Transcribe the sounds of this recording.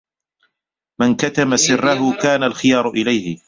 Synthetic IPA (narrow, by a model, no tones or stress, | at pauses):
mɪnkat̪amasɪrːaɦʊkaːnalxɪjɑːɾˤʊʔɪlajhɪ